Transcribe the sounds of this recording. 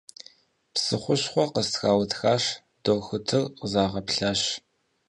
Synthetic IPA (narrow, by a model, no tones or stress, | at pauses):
psɨχʷʊɕχʷɔqəstxaːwɐtxaːɕ | d̥oːxʊtʰɨrqəzaːʁɐpɬaːɕ